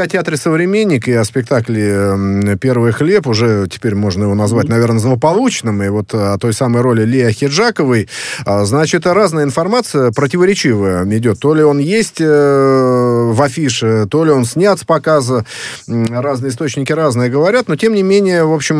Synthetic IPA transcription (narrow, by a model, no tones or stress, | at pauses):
ɐtʲɪat̪ɾʲɪsəvɾʲɪmʲenʲːɪkɨɐspʲɪk̚t̪aklʲɪ | pʲe̞rvɨjxlʲe̞pʊʐɛtʲɪ̥pʲeɾʲmo̞ʐnəjɪvo̞nɐzvat̚ʲnɐvʲe̞rnəzlˠəpɐlˠut͡ɕnɨmɨvo̞t̪ɐt̪o̞jsaməjɾo̞lʲɪlʲeɐxʲɪʐakəvɨjznat͡ɕɪt̪raznəjɪnfɐrmat̪sɨjəpɾətʲɪvəɾʲɪt͡ɕivəjəɪdʲo̞t̪ːo̞lʲɪo̞njesʲtʲ | vɐfʲiʂɨt̪o̞lʲɪo̞nsʲnʲat̪sə̥pɐkazə | ɾaznɨjɪst̪o̞t͡ɕnʲɪkʲɪɾaznɨjəɡəvɐɾʲat̪no̞tʲe̞mnʲɪmʲenʲɪjəvo̞pɕɪm